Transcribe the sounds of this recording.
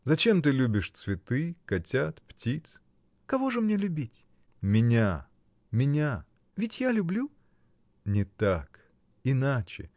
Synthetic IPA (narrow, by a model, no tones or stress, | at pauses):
zɐt͡ɕe̞mt̪ɨlʲubʲɪʂt̪svʲɪt̪ɨkɐtʲat̪ptʲit̪s | kɐvo̞ʐɨmnʲelʲʊbʲitʲ | mʲɪnʲa | mʲɪnʲa | vʲɪtʲjalʲʊblʲu | nʲɪt̪ak | ɪnat͡ɕɪ̰